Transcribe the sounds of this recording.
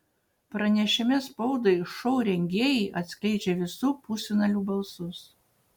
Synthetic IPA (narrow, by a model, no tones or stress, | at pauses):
pɾɐnʲɛʃʲɪmʲɛspɔʊd̪ɐɪʃɔʊɾʲɛŋʲɡʲeːjɛːʔɐt̪ʲsʲkʲɛɪt͡ʃʲɛʋʲɪsʊpusʲunɐlʲuːbɐlˠsʊs